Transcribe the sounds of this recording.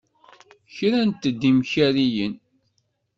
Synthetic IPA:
çɾænt̪ːəd̪ːimçæɾijən

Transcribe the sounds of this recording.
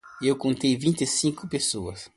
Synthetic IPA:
ewkõnt̪ejvĩnt̪ɪsĩŋkʊpesoɐ̰s

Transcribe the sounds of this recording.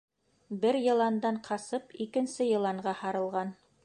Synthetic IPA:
bɘɾjɤ̆lˠɑnd̪ɑɴqʰɑsɤpikɘ̆nsɘjɤ̆lˠɑɴɢɑhɑɾɤ̆lˠʁɑn

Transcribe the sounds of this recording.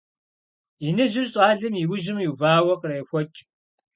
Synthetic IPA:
inɨʒɪrɕʼɑːɮɨmiwʊʒɪmjiwvaːwɐqreːxʷɔt͡ʃʼ

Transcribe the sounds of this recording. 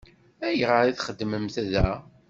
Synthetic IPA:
æjʁəɾiθχəd̪ːməmθæðæ

